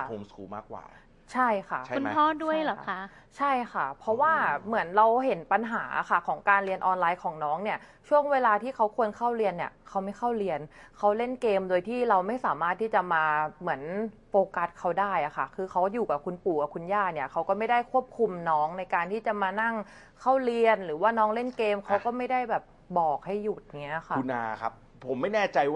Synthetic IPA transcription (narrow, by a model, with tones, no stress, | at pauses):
u˧msuː˨˩ma̰ː˥˩k̚wa̰ː˨˩ | t͡ɕʰa˥˩jkʰa˥˩˥u˧nt̪ʰɔː˥˩du˥˩əjlɔː˨˩a˦˥ | t͡ɕʰa˥˩jxʰa˥˩pʰɾɔ˦˥waː˥˩mɯ˩˦ənɾa˧wɦe˩˦npa˧nɦaː˩˦ʔa̰˨˩xa˥˩kʰɔː˩˦ŋkaː˧nli˧ənʔɔː˧nlaː˧jkʰɔː˩˦ŋnɔː˦˥ŋni˥˩ɐt͡ɕʰu˥˩əŋweː˧laː˧t̪ʰiː˥˩kʰa˦˥wkʰu˧ənkʰa˥˩wɾi˧ənːi˥˩əkʰa˦˥wma˥˩jxʰa˥˩wɾi˧ənkʰa˦˥wle˥˩nkeː˧mdoː˧jt̪ʰiː˥˩ɾa˧wma˥˩jsaː˩˦maː˥˩t̪ʰːiː˥˩t͡ɕa˨˩maː˧mɯ˩˦ənpoː˧ka˦˥t̪̚kʰa˦˥wdaː˥˩jʔa˨˩xʰa̰˥˩kʰɯː˧xʰa˦˥˩juː˨˩ka˨˩kʰu˧npuː˨˩ka˨˩kʰu˧njaː˥˩ni˥˩ɐkʰa˦˥wkɔ˥˩ma˥˩jda˥˩jkʰu˥˩əp̚kʰu˧mnɔː˦˥ŋna˧jkaː˧nt̪ʰiː˥˩t͡ɕa˨˩maː˧na˥˩ŋ | kʰa˥˩wli˧ənɾɯː˩˦waː˥˩nɔː˦˥ŋle˥˩nkeː˧mkʰa˦˥wkɔː˥˩ma˥˩jda˥˩jbɛː˨˩p̚ | bɔː˨˩k̚ha˥˩jːu˨˩t̪̚ŋŋi˦˥ɐ˨xʰa˦˥˩u˧na̰ː˧kʰa˦˥p̚ʰːo˩˦mːa˥˩jnɛː˥˩t͡ɕa˧j